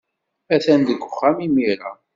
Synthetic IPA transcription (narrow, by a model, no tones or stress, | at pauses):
æθænd̪əɡʷːəχːamimiɾa̰